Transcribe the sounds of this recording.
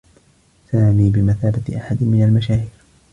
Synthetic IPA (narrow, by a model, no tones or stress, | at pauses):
saːmiːbɪmaθaːbat̪ʔaħad̪ɪmɪnalmaʃaːhiːɾ